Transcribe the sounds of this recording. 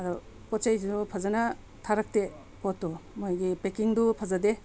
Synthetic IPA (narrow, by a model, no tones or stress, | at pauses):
ɐdɔ | pɔt̚t͡ʃajupʰazana | tʰaɾak̚te | pɔtːɔmojɡipekiŋdupʰazade